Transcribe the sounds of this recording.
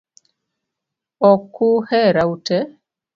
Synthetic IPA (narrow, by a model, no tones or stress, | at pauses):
ɔkuhɛɾautɛ